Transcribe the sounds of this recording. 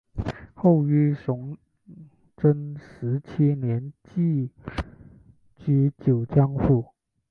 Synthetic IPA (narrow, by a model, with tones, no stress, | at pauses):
xo˥˩ʊy˥˩ʂʊ˧˥ŋ | ʈ͡ʂə˥nʂɻ̩˧˥t͡ɕʰi˥njɛ˧˥nt͡ɕi˥˩ | t͡ɕy˥t͡ɕjo˨˩ʊt͡ɕjɑ˥ŋfu˥˩